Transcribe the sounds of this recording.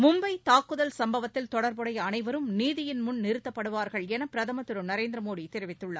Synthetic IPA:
mʊmbɐɪt̪aːkːɯðɐlsɐmbɐʋɐt̪ːɪlt̪ɔɽɐɾbɯɽɐjɐɐnɐɪʋɐɾɯmniːðɪjɪnmʊnnɪɾɯt̪ːɐpːɐɽɯʋaːɾɣɐɭɛnɐpɪɾɐðɐmɐt̪ːɯɾɯmnɐɾeːnd̪ɾɐmoːɽit̪ːɛɾɯʋɪt̪ːɯɭːɐ

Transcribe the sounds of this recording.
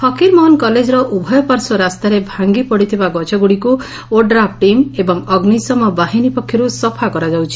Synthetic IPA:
hɔkiɾmɔɦɔnkɔled͡ʒɔɾɔʔubʱɔjɔpaɾsɔɾast̪aɾebʱaŋɡipɔɽit̪ʰibaɡɔt͡ʃʰɔɡuɽiku | oɖɾap̚ʰʈimebɔŋɔɡnisɔmɔbaɦinipɔkʰːjɔɾusɔpʰakɔɾad͡ʒawt͡ʃʰi̥

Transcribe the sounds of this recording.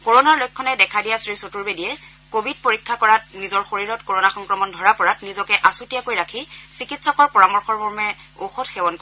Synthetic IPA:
koɹonaɹlojkʰːɔnɛdɛkʰadijɛsɹisotuɹbedijɛ | kobʱid̚poɹikʰːakɔɹat̚nizɔɹxoɹiɹɔtkoɹonaxɔŋkɹɔmɔndʱɔɹapɔɹatnizɔkɛʔasutijakojɹakʰisikitsɔkɔɹpɔɹamɔɹxɔɹbʱɔɹmɛ | oxɔtxɛwɔnko

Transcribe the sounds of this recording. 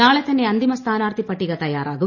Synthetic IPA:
naːɭɛt̪ɐnːeɐnd̪imɐst̪ʰaːnaːɾt̪ʰipɐʈːiɡɐt̪ɐja̰ːɾa̰ːɡu

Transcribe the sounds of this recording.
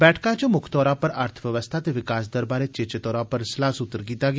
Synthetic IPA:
bɛːʈʰkãt͡ʃõmʊkʰt̪ɔːɾãpɐɾəɾt̪ʰʋjəʋəst̪ʰaːt̪eʋɪkaːsd̪əɾbaːɾet͡ʃet͡ʃt̪ɔːɾãːpəɾslaːsʊt̪ːəɾkiːt̪aːɡ

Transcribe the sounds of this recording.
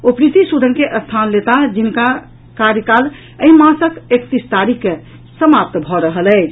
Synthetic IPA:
opɾit̪isud̪ʱənkeʔəst̪ʰanlet̪ad͡ʒinka | kaɾjəkal | əimãsəkekt̪ist̪aɾikːe | səmap̚t̪bʱɔɾəɦəlɛt͡ʃʰ

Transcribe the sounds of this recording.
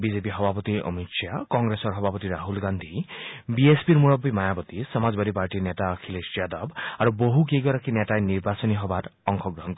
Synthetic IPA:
bizepiɦɔbʱapɔt̪iɔ̰mitsjakɔŋɡɾesɔɹɦɔbʱapɔt̪iɾaɦulɡand̪ʱibiespiɹmuɹɔbːimajabɔt̪isɔmazbad̪ipaɹʈinetakʰilesiad̪ɔbaɾuboɦuk̬eɡɔɾakinetajniɹbasɔniɦɔbatɔŋkʰɔɡɹɔɦɔnkɔi

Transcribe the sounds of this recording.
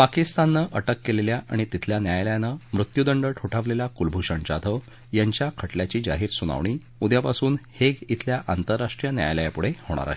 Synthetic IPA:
pakist̪anːəʔəʈəkːeleljaʔʔa̰ɽ̃it̪it̪ʰljanjajljanəmɾut̪jud̪əɳɖəʈʰuʈʰaʋleljakulbʱuɕəɳt͡ɕat̪ʰə | jaɲt͡ɕjakʰəʈljat͡ɕiːd͡ʑa̰ɦiːɾsuña̰ʋɳ̃iː | ud̪japasuːnheɡit̪ʰljaʔant̪əɾːaʂʈɾijənja̰jləjapuɽ̤ehoɽ̃a̰ɾa̰ɦe

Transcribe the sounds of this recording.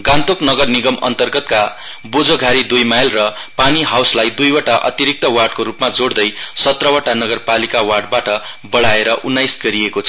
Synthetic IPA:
ɡant̪oknʌɡʌrniɡʌmʌ̰nt̪ʌrɡʌt̪̚ka | bod͡zoɡʱaɾid̪ujmajlrʌpaniɦawslajd̪ujwaʈaʔʌ̰t̪iɾik̚t̪ʌwaɖkoɾupmad͡zoɽd̪ʌjsʌt̪rʌwaʈanʌɡʌrpalikawaɖbaʈʌbʌɽaeɾʌʔunːajsɡʌɾiekot͡sʰʌ

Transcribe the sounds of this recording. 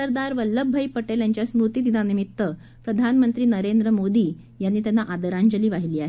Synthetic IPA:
əɾd̪aɾʋəlːəbʱəjpəʈeljaɲt͡ɕjasmɾut̪iːd̪inanimit̪ːə | pɾəd̪ʱanmənt̪ɾiːnəɾend̪ɾəmod̪iː | janːiːt̪janːaʔad̪əɾaɲd͡ʑəliːʋaɦiliːaɦe

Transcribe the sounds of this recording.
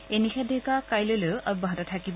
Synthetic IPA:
enixɛdʱɛkakajloloɔbɔɦatɔtʰakib

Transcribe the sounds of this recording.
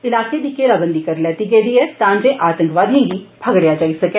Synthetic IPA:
ɪlaːked̪ikːeɾaːbənd̪ikɐɾlɛːt̪iɡeːd̪iɛt̪ãːɲd͡ʒeʔaːt̪ə̃ŋkʋaːd̪ʱɦẽːɡipʰɐɡɽjad͡ʒaːisɐke

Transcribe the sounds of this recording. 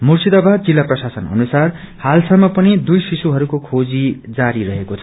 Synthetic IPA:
mursid̪ʌbʱad͡zilːaprʌsasʌnʌ̰nusar | halsʌmːʌpʌnid̪ujsisuɦʌɾukokʰod͡zid͡zaɾiɾʌɦekot͡sʰʌ̥

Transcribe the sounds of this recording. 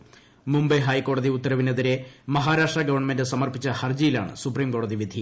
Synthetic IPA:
mumbɐjɦɐːjkːo̞ːɽɐðiut̪ːɐɾɐʋineðiɾe̞mɐɦaːɾaːʂʈrɐɡɐʋɐrɳɐmendɨsɐmɐrpit͡ɕːɐhɐrd͡ʑijila̰ːɳɨ̰supriːmko̞ːɽɐðiʋid̪ʱi

